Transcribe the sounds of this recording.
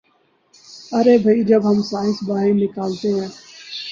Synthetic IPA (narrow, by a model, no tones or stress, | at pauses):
əɾeːbʱəid͡ʒəbɦəmsaːɪ̃nsbaːɦɪnɪkaːlt̪eɦɛ̃ː